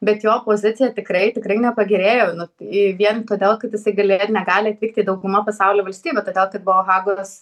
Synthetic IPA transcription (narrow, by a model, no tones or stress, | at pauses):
bʲɛt̪joːpoːzʲɪt̪sʲɪjɛt̪ʲɪkrɐɪt̪ʲɪkrɐɪnʲɛpɐɡʲɪɾʲeːjoːnʊɪʋʲiɛnt̪oːd̪ʲeːlˠkɐt̪jɪsɐɪɡɐlʲeːtnʲɛɡɑːlʲɪɐt̪ʲʋʲiːk̚t̪ʲiːd̪ɐʊɡʊmɐpɐsɑʊlʲoːʋɐlʲsʲt̪ʲiːbʲɛːt̪oːd̪ʲeːlˠkɐt̪̚bʊʋoːɣɑːɡos